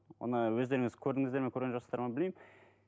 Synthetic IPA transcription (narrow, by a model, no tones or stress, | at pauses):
wo̰nəwɵzd̪e̞ɾɪŋɪzkʲʰɵɾd̪ɪŋɪzd̪e̞ɾmeŋkʲʰɵɾɡʲenʒost̪ɑɾmɑbɪlmejm